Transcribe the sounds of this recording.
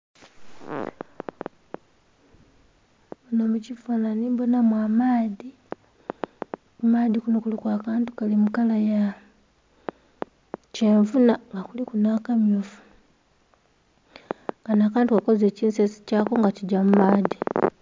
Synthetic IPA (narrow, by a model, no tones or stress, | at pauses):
unomucivunaniːmbo̞namwaːmaːði | umaːðikunukulukwaːkaːntu̥kalimukalaja | ce̞ːɱvunaŋɡakulikunakamjofu̥ | ŋɡanaːkaːntukako̞ze̞ːciːnsesi̥caːko̞ŋɡaciɟamumaːði